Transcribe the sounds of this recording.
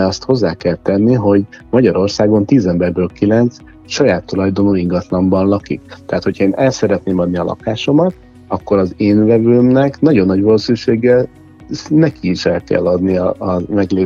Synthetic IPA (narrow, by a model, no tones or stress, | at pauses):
ɒst̪ho̞zːaːkɛlt̪ɛnːiɦo̞ɟmɒɟɒɾo̞rsaːɡo̞nt̪iːzɛmbɛrbøːlkilɛnt̪s | ʃɒjaːt̪ːolɒjd̪o̞noːiŋɡɒt̪lɒmbɒnlɒkḭk̚t̪ɛɦaːt̪ho̞cʰhɒeːnʔɛlsɛɾɛt̪neːmɒd̪̚niɒlʔɒ̰kaːʃo̞mɒt̪̚ | ɒkːo̞ɾɒzeːnvɛvøːmnɛknɒɟo̞nːɒɟvɒloːsyʃeːɡːɛl | nɛkiːʃɛlkɛ̰lːɒd̪niɒmɛɡleː